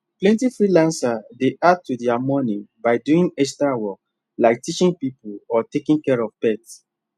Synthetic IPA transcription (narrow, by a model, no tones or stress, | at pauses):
plɛ̃ntifɹilãnsadeʔad̚tudɛamɔnibaɪduĩŋɛstawɔk̚ | laɪk̚tit͡ʃĩŋpipulɔtekĩŋkɛɹɔvpɛt